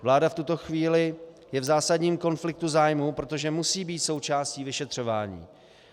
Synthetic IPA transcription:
vlaːdaft̪ut̪o̞xviːlɪ | jɛvzaːsadɲiːmko̞nflɪk̚t̪uzaːjmupɾo̞t̪o̞ʒɛmusiːbiːt̪so̞wt͡ʃaːsciːvɪʃɛt̪r̝̥o̞va̰ːɲḭː

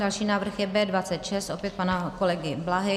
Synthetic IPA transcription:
dalʃiːnaːvr̩xjɛbɛːdvat͡sɛt̪ʃɛst̪ʔo̞pjɛt̪̚panakolɛɡɪblaɦɛ

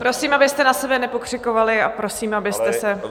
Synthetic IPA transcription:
pɾo̞siːmabɪst̪ɛnasɛbɛnɛpo̞kr̝̥ɪko̞valɪapɾo̞siːmabɪst̪ɛsɛ

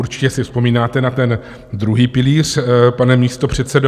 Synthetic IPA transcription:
uɾt͡ʃɪ̥cɛsɪfspo̞miːnaːt̪ɛnat̪ɛn | d̪ɾuɦiːpɪliːr̝̥panɛmiːst̪o̞pr̝̥ɛt̪sɛdo

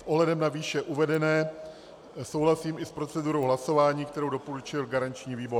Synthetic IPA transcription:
sʔoɦlɛdɛmnaviːʃɛʔuvɛdɛnɛː | so̞wlasiːmɪspɾo̞t͡sɛduɾo̞wɦlaso̞vaːɲiːk̚t̪ɛɾowdo̞poɾut͡ʃɪlɡaɾant͡ʃɲiːviːbo̞ɾ

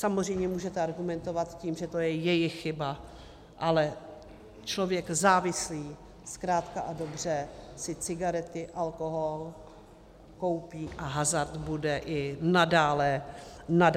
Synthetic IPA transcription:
samozr̝ɛjmɲɛmuːʒɛt̪ɛaɾɡumɛnt̪o̞vat̪ciːmʒɛt̪o̞jɛjɛjɪxxɪba | ʔalɛ | t͡ʃlo̞vjɛkzaːvɪsliː | skɾaːt̪kaʔado̞br̝ɛsɪt͡sɪɡaɾɛt̪ɪʔalkoɦol | ko̞wpiːʔaɦazaɾt̪budɛʔɪnadaːlɛnad

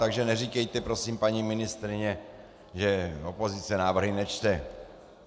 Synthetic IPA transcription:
t̪aɡʒɛnɛrikɛjt̪ɛpɾo̞siːmpaɲimɪnɪst̪ɾɪɲɛ | ʒɛopo̞zɪt͡sɛnaːvr̩ɦɪnɛt͡ʃt̪ɛ

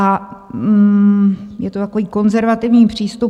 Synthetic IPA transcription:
a | jɛt̪ot̪ako̞viːko̞nzɛɾvat̪ɪvɲiːpr̝̥iːst̪u

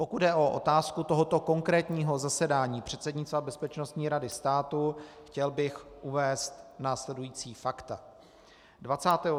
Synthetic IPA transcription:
po̞kud̪dɛʔo̞ʔo̞̰t̪aːskut̪o̞ɦo̞t̪o̞ko̞ŋkɾɛːt̪ɲiːɦo̞zasɛdaːɲiːpr̝̥ɛt̪sɛdɲɪt͡st̪vabɛspɛt͡ʃno̞st̪ɲiːɾadɪst̪aːt̪uxcɛlbɪxʔuvɛːst̪naːslɛdujiːt͡siːfakt̪a | dvat͡saːt̪ɛːɦo

